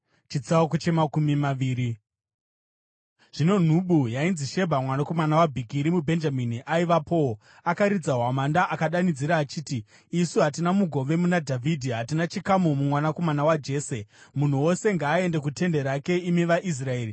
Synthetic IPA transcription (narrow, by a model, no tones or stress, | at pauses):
t͡ʃit͡saokot͡ʃe̞makumimaʋiːɾi | ʐ̥ino̞n̤uɓujainziʃe̞bʱamwanako̞manawabʱikiɾimubʱe̞nd͡ʒaminiʔaiʋapʰo̞o | akaɾid͡zaɦwamandaʔakaɗanid͡ziɾaːt͡ʃiːtiː | suɦat̬inamuɡʱo̞ʋe̞munadʱavʱidʱiɦatinat͡ʃikamumumwanako̞manawad͡ʒe̞ːse̞mun̤uwo̞se̞ŋɡaːe̞nde̞k̬ute̞nde̞ɾake̞imiʋaʔis̬rae̞ːri